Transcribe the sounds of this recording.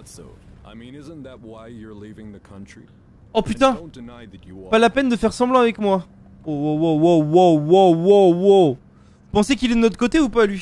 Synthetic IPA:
tso̰ʊa̰ɪmĩnɪz̃nðɨt̚waɪjə˞livɪ̃ŋðɨkʰʌ̃nt͡ʃɹ̥ḭ | ɔpyt̪ɛ̃nd̥ɨnaɪðɨt͡ʃɨpalapɛnd̪əfɛʁsɑ̃blɑ̃avɛkmwa | owowowowawowowo | pɑ̃sekilɛd̪ənɔt̪χə̥kot̪eupalɥi

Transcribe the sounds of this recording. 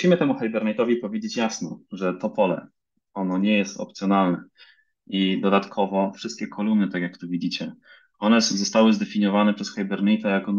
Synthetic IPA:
muɕimɘt̪ɛmuxajbɛɾnajt̪ɔvʲipɔvʲjed͡ʑet͡ɕjasnɔʐɛt̪ɔpɔlɛ̰ | ɔnɔɲɛjɛst̪ɔ̰p̚t̪sʲjɔnalnɛ̰ | id̪ɔd̪at̪kʰɔvɔfʂɘst̪̚kʲɛkʰɔlumnɘt̪akjakt̪uvʲid͡ʑit͡ɕɛ | ɔnɛzɔst̪awɘzd̪ɛfʲiɲjɔvanɛpʂɛsxajbɛɾnajt̪ajakɔ

